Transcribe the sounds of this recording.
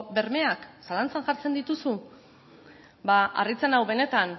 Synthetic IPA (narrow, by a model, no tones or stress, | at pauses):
be̞ɾme̞aksalant͡sanʝaɾt͡se̞nd̪it̪usu | baʔa̰rit͡senawβe̞ne̞t̪an